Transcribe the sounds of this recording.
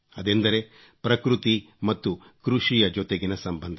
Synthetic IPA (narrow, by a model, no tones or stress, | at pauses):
ɐd̪end̪ɐɾe̞ | pɾɐkɾut̪i | mɐt̪ːu | kɾuʂijɐd͡ʒɔt̪eɡinɐsɐmbɐnd̪ʱɐ